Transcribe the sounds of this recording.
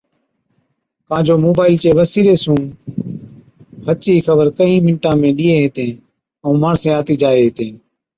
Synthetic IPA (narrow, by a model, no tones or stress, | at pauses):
kãːd͡ʒoːmoːbaːɪlt͡ʃeːʋəsiːɾeːsũː | ɦət͡ʃiːxəbəɾkəĩːmɪɳʈãːmẽːɗiːeːɦeːt̪ẽː | õːmaːɳsẽːaːt̪iːd͡ʒaːeːɦeːt̪ẽː